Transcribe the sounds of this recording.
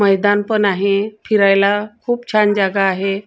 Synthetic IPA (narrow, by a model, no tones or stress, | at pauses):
məjd̪anpənaɦefʰiɾajlakʰuːpt͡ɕʰand͡ʑaɡaːɦe